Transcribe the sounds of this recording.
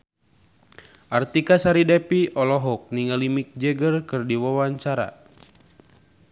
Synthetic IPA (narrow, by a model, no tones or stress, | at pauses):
ʔart̪ikasaɾidɛpiʔɔlɔɦɔk̚niŋalimik̚d͡ʒɛɡərkɨrdiwawaɲt͡ʃaɾa̰